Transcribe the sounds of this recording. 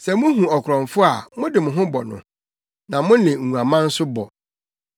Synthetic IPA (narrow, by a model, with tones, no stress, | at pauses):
sɛ˨mʊ̃˦ɦũ˨ɔ˨kʰɾɔ̃˨ɱfʊ˦a˨mʊ̃˦dɪ˨mʊ̃˨ɦʊ̃˦bɔ˨nʊ̰̃˨ | nã˨mʊ̃˦nɪ̃˨ŋũ˨a˨mã˦n̩˦sʊ˦bɔ̰˨